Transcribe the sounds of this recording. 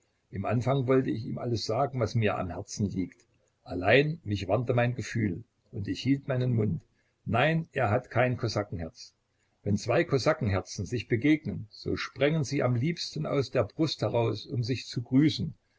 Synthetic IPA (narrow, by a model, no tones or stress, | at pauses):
ʔɪmʔanfaŋvɔltəɪçiːmʔa̰ləsz̥aːɡŋ̩vasmiːɐʔa̰mhɛɐt͡sn̩liːkt | ʔalaɪnmɪçv̥antəmaɪnɡəfyːl | ʔʊntɪçhiːltmaɪnənmʊnt | naɪnʔeːɐɦatkʰaɪnkʰɔsakŋ̩hɛɐt͡s | vɛnt͡sv̥aɪkʰɔsakŋ̩ɦɛɐt͡sn̩zɪçb̥əɡeːɡnənz̥o̰ːʃpʁ̥ɛŋənziːʔa̰mliːpstn̩a̰ʊsd̥eːɐbʁʊsthɛʁaʊsʊmzɪçt͡suɡʁyːsn̩